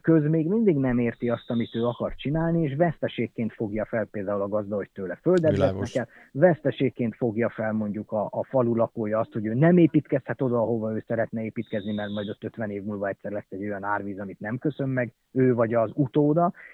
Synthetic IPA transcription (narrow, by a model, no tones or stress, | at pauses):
køzmeːɡmind̪iɡnɛmeːrt̪iɒst̪ɒmit̪øːɒkɒrt͡ʃinaːlnieːʃvɛst̪ɛʃeːkːeːnt̪fo̞ɡjɒfɛlpeːld̪aːulɒɡɒzd̪ɒoct̪ːøːlɛføld̪ɛlɛsnɛkɛl | vɛst̪ɛʃeːkːeːnt̪fo̞ɡjɒfɛlmo̞ɲɟukɒːfɒlulɒkoːjɒɒst̪ho̞ɟøːnɛmeːpiːt̪kɛshɛt̪o̞d̪ɒːɦo̞vɒøːsɛɾɛt̪nɛeːpiːt̪kɛznimɛrt̪mɒjd̪o̞t̪ːø̞t̪ʋɛneːvmuːlvɒɛc̚ʲsɛrlɛsːɛɟːo̞jɒnaːrʋiːzɒmit̪nɛmkø̞sø̞mːɛɡ | øːvɒɟɒzut̪oːd̪ɒ